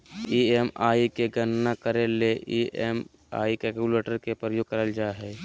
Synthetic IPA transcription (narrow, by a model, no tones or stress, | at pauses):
iːemaːikeɡənnakəɾeleʔiːem | a̰ːikɛkuleːʈəɾkepɾəjoːɡ̚kəɾəld͡ʒaːɦɛː